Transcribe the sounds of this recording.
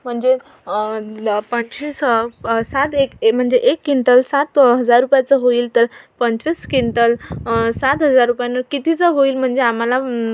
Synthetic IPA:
m̤əɳd͡ze | pə̃ɲɕisəsat̪ekm̤əɳd͡zeʔekːiɳʈəlsat̪ɦəd͡zaɾːupjat͡səɦoiːlt̪əɾpəɲt͡ɕʋiskiɳʈəlsat̪ɦəd͡zaɾːupjanːəkit̪it͡səɦoiːlm̤əɳd͡zeam̤ala

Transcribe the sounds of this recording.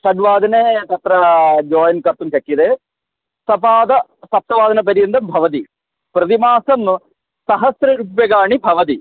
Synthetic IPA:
sɐɖʋaːd̪ʱɐneːt̪ɐt̪ɾɐd͡ʒoːjɐnkɐɾt̪ːunʃɐkːid̪eː | sɐpaːd̪ɐsɐp̚t̪ɐʋaːd̪ɐnɐp̬ɐɾjɐnd̪ɐmbʱɐʋɐt̪̬i | pɾɐt̪imaːsɐm | sɐɦɐsɾɐɾupjɐɡaːɳibʱɐʋɐt̪̬i

